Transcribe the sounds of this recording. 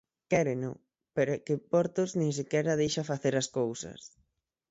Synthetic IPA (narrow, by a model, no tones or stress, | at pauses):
kɛɾɪnʊ̰ | peɾʊkɪpɔɾt̪oznẽŋs̬ɪkɛɾɐð̞ejʃafaθeɾɐskowsɐ̰s